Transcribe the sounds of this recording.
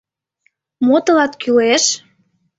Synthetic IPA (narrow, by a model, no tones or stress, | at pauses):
mot̪ɤ̆lɑt̪kyleʃ